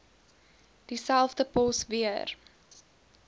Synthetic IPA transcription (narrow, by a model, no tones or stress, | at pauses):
d̥isælˠvdəpɔsviər